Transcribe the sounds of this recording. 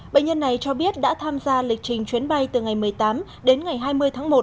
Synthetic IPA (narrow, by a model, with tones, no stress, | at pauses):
ɓḛ˧˨ŋɲə˧nːa˨˩jt͡ɕɔ˧ɓi˦˥ət̚ɗa̰ː˧˥t̪ʰaː˧mzaː˧lï˨˩k̟̚t͡ɕï˨˩ŋ̟t͡ɕwi˨˦ənɓa˧jt̪ɨ˨˩ŋa˨˩jmɨ˨˩əjt̪aː˨˦m | ɗe˨˦nŋa˨˩jɦaː˧jmɨ˧əjt̪ʰaː˨˦ŋmo˨˩t̚